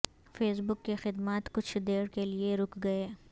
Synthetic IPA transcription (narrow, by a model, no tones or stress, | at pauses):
feːsbʊkːexɪd̪maːt̪kʊt͡ʃʰd̪eːɽkelieɾʊkɡɐeː